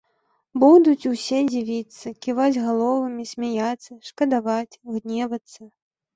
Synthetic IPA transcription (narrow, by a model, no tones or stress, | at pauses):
bud̪ut͡sʲusʲɛd͡zʲivʲit̪sːɐkʲivad͡zʲɣalˠɔvɨmʲisʲmʲajat̪sːɐʂkɐd̪avat͡sʲɣnʲɛvɐt̪sːɐ